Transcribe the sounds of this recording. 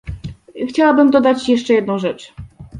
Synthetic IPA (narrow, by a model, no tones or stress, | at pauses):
xt͡ɕawabɘmd̪ɔd̪at͡ɕjɛʂt͡ʂɛjɛd̪nɔ̃w̃ʐɛt͡ʂ